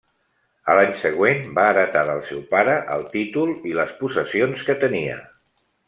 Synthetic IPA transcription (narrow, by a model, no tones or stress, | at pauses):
əlaɲsəɣ̞wenbaːðət̪aðəlˠsɛwpaɾəʔə̰lˠt̪it̪ulˠiləspusəsionskət̪əniə̰